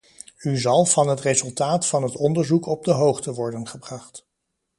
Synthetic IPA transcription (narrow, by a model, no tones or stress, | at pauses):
yzɑlˠvɑnɦətrezɵlˠtaːtfɑnɦətɔndəɹzukɔb̚dəɦowχtəʋɔɹdənχəbrɑχt